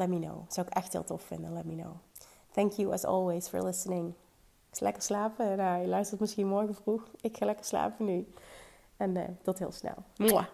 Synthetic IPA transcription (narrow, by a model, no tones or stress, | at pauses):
lɛt̚mino̰wz̥owɪkɛxtɦɪ̰ːlˠtɔfɪ̰ndənlɛt̚mino̰w | θɛŋkʰjuɛ̰zɔ̰lˠwesfɔ̰ɹdəlɪsənɪŋ | ɪksalɛkəɹslaːpənajəlœɥstəɹtmɪsxinmɔɹɣəvruxɪkxaːlɛkəɹsla̰ːpəny | ɛnə̰tɔtɦɪ̰ːlˠsnɛ̰lˠm